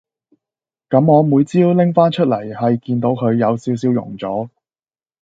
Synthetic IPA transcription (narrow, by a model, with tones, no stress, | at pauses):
kɐ˨˥mɔː˨˧muː˨˧jt͡siː˥wlɪ˥ŋfaː˥nt͡ʃʰɵ˥t̚lɐ˨˩jhɐ˨jkiː˧nt̪o˨˥wkʰɵ˨˧ɥjɐ˨˧wsiː˨˥ws̬iː˨˧wjʊ̰˨˩ŋt͡sɔː˨˥